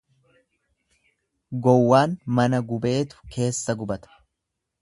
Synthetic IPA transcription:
ɡɔwːaːnmɐnɐɡʊbe̞ːt̪ʊ̥ke̞ːsːɐɡʊbɐt̪ɐ̥

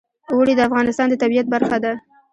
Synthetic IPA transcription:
wəɽid̪əafɣɑnɪst̪ɑnd̪ət̪abijat̪̚baɾxad̪a

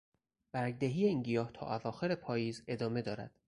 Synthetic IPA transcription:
b̥æɾɡd̪eɦiːjeiːnɟijɒːht̪ʰɒ̰ːʔævɒːxe̞ɾepʰɒːjiːze̞d̪ɒːme̞d̪ɒːɾæ̰d̪̥

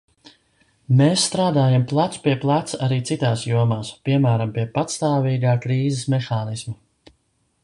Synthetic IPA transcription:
meːsːt̪ɾaːd̪aːjamplˠat̪spiɛplˠat̪saɾiːt̪sit̪aːsjuɔmaːspiɛmæːɾampiɛpat̪st̪aːviːɡaːkɾiːzɛsmɛxaːnisma

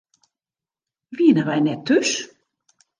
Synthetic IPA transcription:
ʋiənəʋɛjnɛtʰːøs

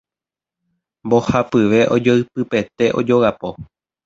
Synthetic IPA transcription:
mbo̞hapɨʋe̞ʔo̞d͡ʒoɨp̚ɨpe̞t̪e̞ʔo̞̰d͡ʒo̞ɣapo̞

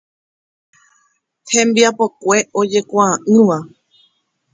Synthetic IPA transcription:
hẽ̞mbiapo̞kʷe̞ʔo̞d͡ʒe̞kʷaãʔɨ̃ʋa

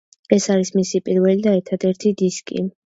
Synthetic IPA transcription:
ɛsaɾismisipʼiɾvɛlid̪aɛɾt̪ʰad̪ɛɾt̪ʰid̪iskʼḭ

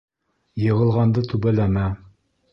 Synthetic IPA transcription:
jɤ̆ʁɤ̆lˠʁɑnd̪ɤt̪ʉbælæmæ

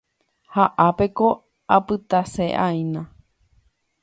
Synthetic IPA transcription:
haʔape̞ko̞ | apɨt̪aseʔaĩnã

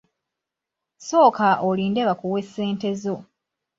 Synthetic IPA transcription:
so̞ːkaʔoliːndeβakuwe̞sːe̞ːnte̞zo̞

